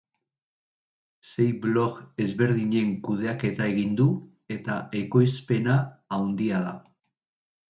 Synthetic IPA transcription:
se̞jblo̞ke̞zβe̞ɾðiɲe̞ŋkuð̞e̞ake̞t̪ae̞ɣ̞ind̪u | e̞t̪ae̞ko̞jspe̞naːwnd̪iaða

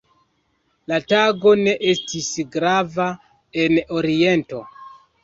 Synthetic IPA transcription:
lataɡo̞ne̞ʔe̞stisɡɾava | e̞no̞ɾie̞nto̞

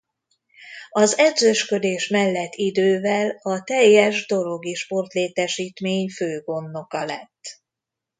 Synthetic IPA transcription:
ɒzɛd̪zøʃkø̞d̪eːʃmɛlːɛt̪ːid̪øːvɛlɒt̪ɛjːɛʒd̪o̞lo̞ɡiʃpo̞rt̪leːt̪ɛʃiːt̪meːɲføːɡo̞nːo̞kɒlɛ̰t̪ː

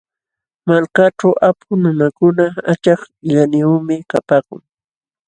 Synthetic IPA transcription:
malkaʈ͡ʂawʔapʰʊnʊnakʊnaat͡ʃɑχ | ʎanɪʊmɪkapaːkʊ̰ŋ

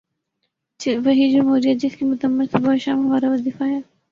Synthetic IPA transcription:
ʋɐɦid͡ʒʊmɦuːɾijad͡ʒɪskimʊt̪əmːɪɾt̪ʰobaːʃaːmɦɐmaːɾaʋɐziːfaɦɛː

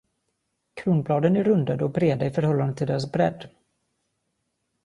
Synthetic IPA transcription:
kʰɾuːnblɑːd̪ənæɾɵnd̪ad̪ɔbɾeːd̪aɪfœɾhɔlːand̪ət̪ʰɪld̪eːɾasbɾɛ̰d̪ː

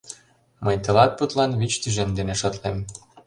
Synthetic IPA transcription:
məjt̪ɤ̆lɑt̪̚put̪lɑnβit͡ɕt̪yʒemd̪eneʃɤ̆t̪lem

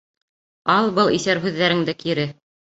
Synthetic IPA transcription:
ɑlˠbɤlˠiθæɾɦʉðːæɾɘŋd̪ɘkiɾɘ

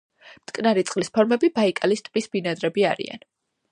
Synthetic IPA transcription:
mt̪ʼkʼnaɾit̪sʼqʼlispʰɔɾmɛbibaikʼalist̪ʼbisb̥inad̪ɾɛbiaɾḭa̰n

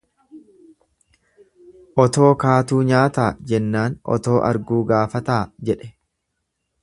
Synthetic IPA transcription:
ʔɔt̪o̞ːkaːt̪uːɲaːt̪aːd͡ʒɛnːaːnʔɔ̰t̪o̞ːʔɐ̰ɾɡuːɡaːfɐt̪aːd͡ʒɛᶑɛ̥

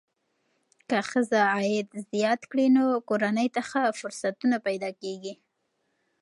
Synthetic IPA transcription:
kaxəzaːjɪd̪zjɑt̪kɽinokoɾanəjt̪əxafʊɾsat̪unapajd̪ɑkeɡi

